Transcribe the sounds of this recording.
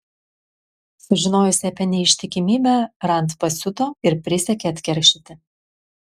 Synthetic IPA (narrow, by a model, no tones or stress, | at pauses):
sʊʒʲɪnoːjʊsʲɐpʲɛnʲɛɪʃʲt̪ʲɪkʲɪmʲiːbʲæɾɐnt̪pɐsʲʊt̪oːɪɾpʲɾʲɪsʲɛkʲeːɐt̪ʲkʲɛɾʲkʃʲɪt̪ʲɪ